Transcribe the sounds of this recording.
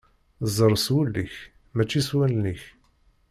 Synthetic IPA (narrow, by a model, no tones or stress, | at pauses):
zˤəɾˤswulːiç | mæt͡ʃːiswælniç